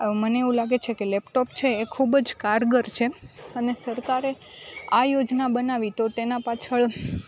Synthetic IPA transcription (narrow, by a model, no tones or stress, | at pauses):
məneeʋũlaɡet͡ʃʰekelɛpʈopt͡ʃʰeːkʰubd͡ʒkaɾɡəɾt͡ʃʰeənesəɾkaɾe | ajod͡ʒnabənaʋit̪ot̪enapat͡ʃʰəɭ